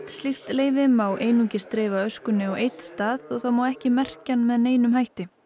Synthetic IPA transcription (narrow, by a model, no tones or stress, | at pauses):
t̪slift̪leːjvɪmaːwʔejnucɪst̪ɾeːvaœskʏnːɪawejt̪st̪aːðɔɣθawmawɛhcɪmɛr̥canmɛðneːjnʏmhajht̪ɪ